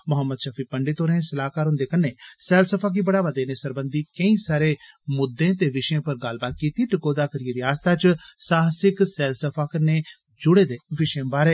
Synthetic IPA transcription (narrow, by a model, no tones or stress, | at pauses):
mʊɦəmːəd̪ʃafʰiːpəɳɖɪeːt̪oːɾəẽːsəlaːkaːɾɦʊ̃nd̪eːkənːeːsɛːlsəpʰaːk̬ibəɽaːʋəd̪eːneːsəɾbənd̪iːkəĩːsaːɾeːmʊd̪ːẽːt̪eːʋɪʃẽːpəɾɡəlbaːt̪̚kiːt̪iːʈɪkoːd̪aːkəɾiəɾɪaːst̪aːt͡ʃsaːɦsɪksɛːlsəpʰaːkəneː | d͡ʒʊɽeːd̪eːʋɪʃẽːbaːɾeː